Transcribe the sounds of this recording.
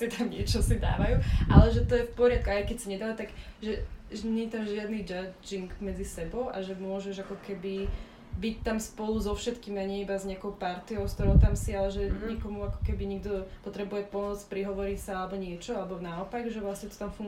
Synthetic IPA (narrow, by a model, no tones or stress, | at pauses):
sit̪amɲɪɛt͡ʃɔsid̪a̰ːʋajuʔa̰lɛʒɛt̪ɔjɛfpɔɾɪat̪̚kuajkɛcsaɲɛd̪aʋat̪aɡʒɛʒɛɲɛɲɛt̪amʒɪad̪nid͡ʒad͡ʒiŋɡmɛd͡zisɛbɔʊʔaʒɛmʊɔʒɛʒakɔkɛbi | bic̚t̪amspɔluzɔfʃɛt̪kiːmaɲɛibazɲɛakɔʊpaɾt̪iɔʊskt̪ɔɾɔʊt̪amsialɛʒɛɲikɔmuakɔ̥kɛbiɲiɡ̚d̪ɔpɔt̪ɾɛbujɛpɔmɔt͡spɾiɦɔʋɔɾicsaalɛbɔɲɪɛt͡ʃɔalɛbɔnaɔpaɡʒɛʋlasɲɛt̪ɔ̥t̪amfuŋɡ